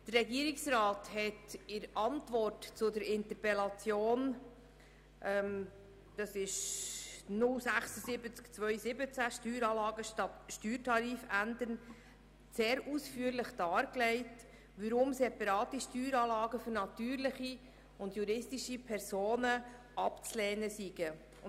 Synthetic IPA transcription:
d̥ərɛɡiːəɾɪksɾɑːthɛtɪɾʔɑntvɔrtt͡sʊdəɾɪnt̪əpɛlɑt͡sjoːn | ʔɛm | d̥ɑsɪʃ | nʊlsæχsəsɪbət͡skt͡svœʏsɪbət͡sæʃtyːɾɑːlɑːɡəʃtɑtʃtyːɾtʰɑɾiːfændən | seːɾusfyːəɾlɪχd̥ɑːɾklɛɪt | ʋəɾʊmsɛpɑɾɑːt̪iʃtyːɾɑːlɑːɡəfʏɾnɑtyːɾlɪχi | ʊndjuɾɪstiʃipʰɛɾsoːnə | ʔɑpt͡slɛːnəsiɡ̥ə

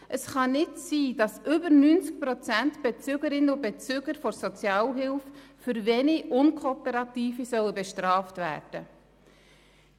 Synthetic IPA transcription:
ʔəsχɑnɪtsiːdɑsʔʏbəɾnynt͡sk̚pɾɔt͡sæntb̥et͡syɡəɾɪnəʊbet͡syːɡ̥əɾfɔɾsɔt͡sjɑːlɦɪlffʏɾvɛniʔʊnkʰoːpɛɾɑtiːfisœwəbɛʃtrɑːftvæ̰ːɾd̥ə

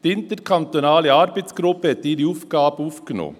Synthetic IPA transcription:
d̪ɪnt̪əɾkʰɑnt̪ʊnɑːlɪɑɾbeɪt̪sɡɾʊpːət̪iɾiʊfɡɑːpʊfkno̰

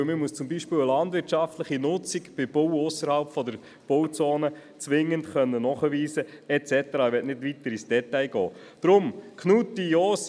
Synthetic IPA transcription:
mɪmuəst͡sʊmbiʃpɪːwəlɑndʋɪt͡ʃɑftləχinʊt͡sikb̥ɪb̥owʊsːəɾhɑlpfɔdəɾ | b̥owt͡soːnə | t͡sʋɪŋːəntχœnːənɔχəʋiːsəɛt͡sɛtəɾɑːʋɛtnɪtʋitəɾisd̥ɛtajɡɔ̰ː | d̥ɾʊmkʰnutiɔːs

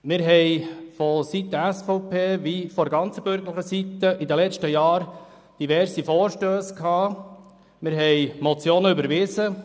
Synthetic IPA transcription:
mɪɾɦɛjfɔsit̪ːəæsfɔʊpʰeːʋifɔɾɡɑnt͡səbøɾɡəɾləχəsit̪əʔid̪əlɛt͡ʃtəjɑːɾ | d̥iʋɛɾsifoːɾʃtøːskʰɑː | mɪɾɦɛjmɔt͡sjoːnəybəɾʋɪzə

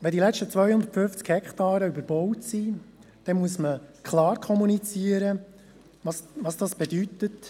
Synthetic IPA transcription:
ʋɛndilɛt͡ʃtət͡sʋœjhʊnd̪ətfʏft͡skhɛktɑːɾəybəɾb̥ɔwtsi | d̥ɛmuəsməkʰlɑːrkʰɔmunit͡siəɾə | ʋɑsʋɑsd̥ɑsb̥ɛdyt̪ət

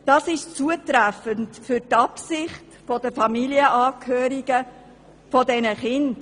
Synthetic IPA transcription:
d̥ɑːsɪʃt͡suətɾæfəntfʏɾtɑpsɪχtfɔdəfɑmiliəʔɑːkʰhøːɾiɡ̥ə | fɔdɛnəχɪnd

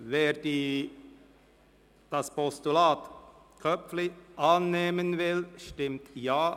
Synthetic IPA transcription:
ʋeːɾd̪iː | d̪̥ɑspɔst̪ʉlɑːt̪ | kʰœpflɪʔɑːnːeːmənʋɪlʃtɪmt̪jɑː

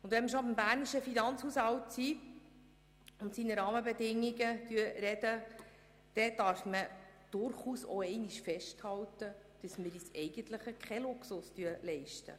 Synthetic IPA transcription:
ʊnd̪ʋɛnməʃ̬obəmbæːɾniʃəfinɑnt͡shushɑwtsi | ʊntsinəɾɑːməbɛdɪŋːiɡətyːəɾɛd̥ə | d̥ɛd̥ɑɾfməd̥ʊɾχuːsɔ̰ɛɪniʃfɛʃthɑwtə | d̥əsməɾisɛɪɡ̥əntləχəkʰχɛlʊksʊstyəlɛɪʃtə̰

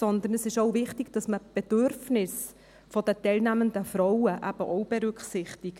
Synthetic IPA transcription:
sɔnd̪ənəsɪʃoʊvɪχtɪɡ̥d̥ɑsməb̥ɛd̥øɾfnɪs | fɔdətɛlnæmənd̪əfɾɔʊəʔæb̥ə̰ʔɔwb̥ɛɾʏkχsɪχt̪ɪɡ̥

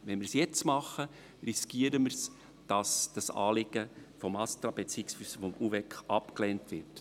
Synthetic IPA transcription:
ʋɛnmɪɾsjɛt͡smɑχːə | riskiəɾəməɾs | d̥ɑsd̥ɑsɑ̰ːlɪɡ̥əfɔmɑst̪ɾɑb̥et͡siɪksfysəfɔmuvɛkχɑpklɛːntʋɪrt

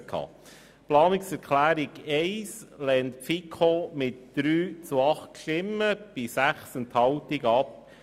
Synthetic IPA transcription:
kʰɑ̰ː | plɑːnɪksɛɾkʰlæːɾiɡɛɪslɛːntfikʰomɪtd̪̥ɾyːt͡suɑχtʃtɪmːəb̥ɪsæχsɛnt̪hɑwtɪɡɑp̚

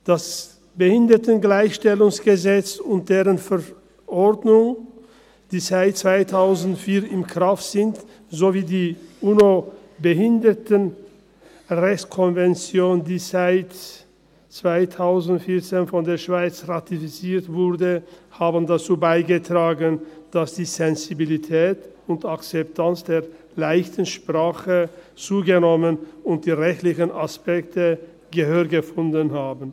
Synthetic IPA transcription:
d̥as | b̥əhɪndɐtənɡlaɪçʃtɛlʊŋsɡ̥əzɛt͡sʊnt̚d̥eːʁənfɛɐ | ʔɔɐdnʊŋ | d̥iːzaɪt̚t͡sv̥aɪtʰaʊzn̩tfiːɐɪmkʁ̥aftz̥ɪnt | zoviːdiːʔuːno | bəɦɪndətən | ʁɛçtkʰɔnvɛnt͡sjoːndiːzaɪt | t͡sv̥aɪtʰaʊzn̩tfɪɐt͡seːnfɔndeːɐʃv̥aɪt͡sʁatifit͡siːɐtvʊʁdəhaːbən̩dat͡suːbaɪɡətʁ̥aːɡənd̥asd̥iːzɛnzibilitʰɛːtʊntakt͡sɛp̚tʰant͡sd̥eːɐ | laɪçtən̩ʃpʁ̥aːχət͡suːɡənɔmənʊnt̚d̥iːʁɛçtlɪçənaspɛktə | ɡəhøːɐɡəfʊndənɦaːbn̩

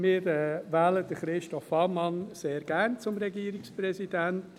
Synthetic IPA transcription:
mɪːɾɛːʋæːləd̥əχɾɪʃtɔfɑmɑnseːɾɡ̥æɾnt͡sʊmɾɛɡiːəɾiksprɛsidænt

